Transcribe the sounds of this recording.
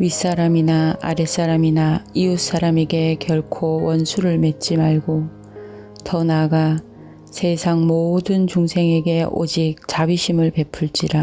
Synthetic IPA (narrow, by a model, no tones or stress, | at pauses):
ɥis͈aɾaminaa̰ɾes͈aɾaminaius͈aɾame̞ɡe̞kjʌɭkʰowʌnsʰuɾɯɭme̞t̚t͡ɕ͈imaɭɡo | tʌnaɡa | sʰe̞sʰaŋmodɯnt͡ɕuŋsʰe̞ŋe̞ɡe̞o̰d͡ʑik̚t͡ɕabiɕʰimɯɭpe̞pʰuɭt͡ɕ͈iɾa